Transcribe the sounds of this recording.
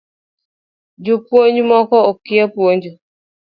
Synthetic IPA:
d͡ʒupwoɲd͡ʒmɔkɔokɪapwoɲd͡ʒu

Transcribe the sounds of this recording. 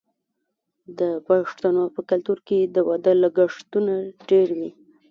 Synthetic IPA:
d̪əpaʂt̪anopəkalt̪uɾked̪əwad̪əlaɡaʂt̪unaɖeɾwi

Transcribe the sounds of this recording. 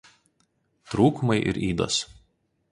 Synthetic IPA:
t̪ɾuːkʊmɐɪʔɪ̰ɾʔiːd̪o̰ːs

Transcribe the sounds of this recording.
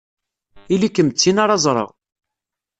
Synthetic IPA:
ilikːəmt͡sːinaɾˤɑzˤɾˤə̰ʁ

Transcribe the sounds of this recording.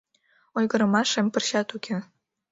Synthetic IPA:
ojɣəɾə̆mɑʃempə̆rɕɑt̪ukʰʲe

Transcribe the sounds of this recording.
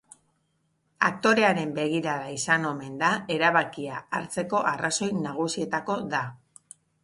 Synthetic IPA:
a̰kt̪o̞ɾe̞aɾe̞mbe̞ɣ̞iɾaɾaisano̞me̞nd̪ae̞ɾaβ̞akiaaɾt͡se̞ko̞ʔaraso̞jnaɣ̞usie̞t̪ako̞ða

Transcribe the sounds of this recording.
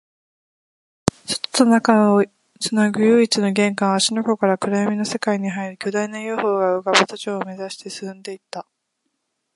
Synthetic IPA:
so̥t̪o̥t̪onakao | sɨnaɡɯ̟jɯːit͡sɨno̞ɡẽ̞ŋkãɰ̃aɕinoko̞kaɾakɯ̟ɾajamʲino̞se̞kaiɲ̟iɦaiɾɯ̟kʲo̞d̪ainajoːho̞ːɡaɯɡabat͡sat͡ɕo̞ːme̞zaɕi̥t̪e̞sɨ̥sɨ̃nd̪e̞it̪ːa

